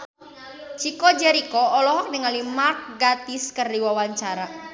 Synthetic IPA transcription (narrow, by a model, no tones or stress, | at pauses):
t͡ʃikɔd͡ʒɛɾikɔːlɔɦɔk̚niŋalimark̚ɡat̪iskərdiwawaɲt͡ʃaɾa